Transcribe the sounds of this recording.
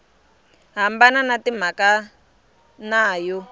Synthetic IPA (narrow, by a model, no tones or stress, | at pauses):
ɦambananatim̤aka | naːjɔ